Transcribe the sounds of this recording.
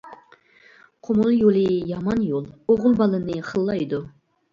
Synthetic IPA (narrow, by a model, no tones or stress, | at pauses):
qʰomulˠjolˠɨjɑmɑnjolˠoʁʊlˠbɑlˠɨnɨχəlˠːɑjd̪u